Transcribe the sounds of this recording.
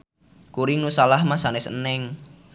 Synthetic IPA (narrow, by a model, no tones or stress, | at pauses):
kuɾiŋnusalahmasanɪsnɛŋ